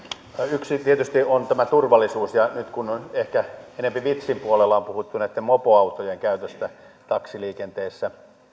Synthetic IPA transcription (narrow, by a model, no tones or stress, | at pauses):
yksit̪iet̪yst̪iont̪æmæt̪urʋɑlːˑisuːsjɑnyt̪kunehkæenempiʋit̪simpuolelːɑompuhut̪ːunæit̪ːemmopoɑut̪ojeŋkæyt̪øst̪æ | t̪ɑksiliːkent̪eːsːæ